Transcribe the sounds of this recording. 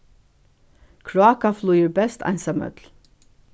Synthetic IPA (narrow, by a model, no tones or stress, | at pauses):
kʰɹʊɑːkaflʉjəɹbɛst̪ʰɑ̰ɪnsɑmœ̰t̪l